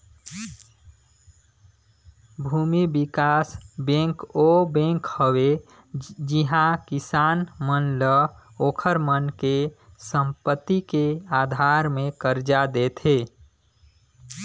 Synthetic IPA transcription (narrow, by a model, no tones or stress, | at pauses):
bʱumibikasbẽŋkobẽŋkhəwe | d͡ʒiɦãkisaːnmənləoːkʰəɾmənke | səmpət̪ːikeaːd̪ʱaɾmẽkəɾd͡ʒad̪et̪ʰe